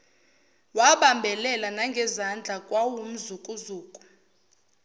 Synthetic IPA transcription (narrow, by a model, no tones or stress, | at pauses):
waɓambʱɛlɛlanaŋɡʱɛzand͡ɮʱakʼwawum̩zukʼuzuːkʼu̥